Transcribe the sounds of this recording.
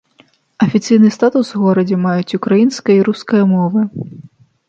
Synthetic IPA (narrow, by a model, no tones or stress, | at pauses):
ɐfʲit̪sɨjnɨst̪at̪usɣɔɾɐd͡zʲɛmajut͡sʲukɾajinskɐjɐiɾuskɐjɐmɔvɨ